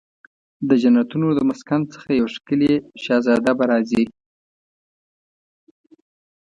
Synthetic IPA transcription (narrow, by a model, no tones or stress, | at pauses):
d̪əd͡ʒanat̪unod̪əmaskant͡sə̥xajawaʂkəleʃɑzɑd̪abaɾɑzi